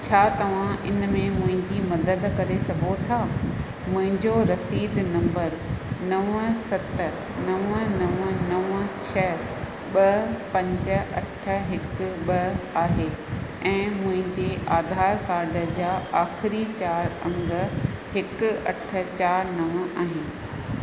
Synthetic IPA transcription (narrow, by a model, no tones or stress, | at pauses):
t͡ɕʰaːt̪ɐʋ̤ãɪnmẽmʊ̃ɦɪ̃ɲd͡ʑimɐd̪əd̪kɐɾesɐɡʱot̪ʰaː | mʊ̃ɦɪ̃ɲd͡ʑoɾɐsiːd̪nɐ̃mbəɾnɐʋəsɐt̪ə | nɐʋənɐʋənɐʋə̃t͡ɕʰɐ | ɓɐpɐ̃ɲd͡ʑə̆ɐʈʰə̆ɦɪkɓɐaːɦe | ɛ̃ːmʊ̃ɦɪ̃ɲd͡ʑeʔaːd̪ʱaːɾkaːɾɖʱə̆d͡ʑaːʔaːxɪɾit͡ɕaːɾɐ̃ŋɡə̆hɪk̆ɐʈʰə̆t͡ɕaːɾnɐʋəʔaːɦɪnɪ̆